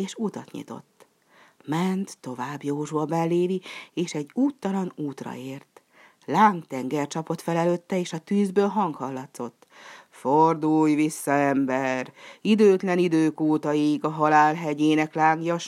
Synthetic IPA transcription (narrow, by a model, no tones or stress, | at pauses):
eːʃut̪ɒt̪ɲḭt̪o̰t̪ː | mɛnt̪ːo̞vaːbjoːʒuɒbɛlːeːvieːʃɛɟːuːt̪ːɒlɒnuːt̪rɒ̰eːrt̪ | laːŋkt̪ɛŋɡɛrt͡ʃɒpo̞t̪fɛlɛløːt̪ːɛeːʃɒt̪yːzbøːlɦɒŋkhɒlːɒt̪so̞t̪ːford̪ujvisːɒɛmbɛrid̪øːt̪lɛnid̪øːkuːt̪ɒiɡɒɦɒlaːlɦɛɟeːnɛklaːŋɡjɒʃ